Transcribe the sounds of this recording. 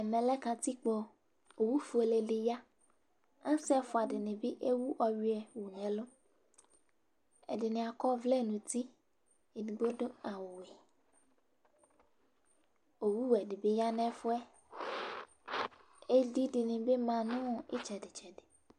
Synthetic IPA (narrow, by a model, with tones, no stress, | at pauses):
e˨mɛ̃˨lɛ˦kã˨t̪i˦k͡po˨ | o˨wu˦fu˨˦e˨le˨ɖɪ˨ja˦ | ã˦sɛ˦fo˨a˨ɖɪ˨nẽ˨bi˦ʔe˦wu˦ʔɔ˨ɥi˦ɛ˨wu˨nɛ̃˨lo˦ | ḛ˨dɪ˨nɪ̃˨a˨kɔ˦vlɛ˦˨nũ˨t̪i˦ | e˨nĩ˨ɡ͡bo˦do˦a˨wo˨wɛ˨ | o˨wu˦wɛ˨ɖɪ˨be˦ja˦nɛ̃˦fo˦ɛ˦ | e˦di˦dɪ˨nɪ̃˨be˦mã˨nũ˦ḛ˦t͡ʃɛ˨dɪ˨t͡ʃɛ˨de˨